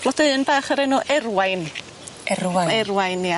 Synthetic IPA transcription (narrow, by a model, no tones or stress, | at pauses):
lɔdɨːnbaːχəɾɛnuʔɛrwajn | ɛwaɛrwajnːia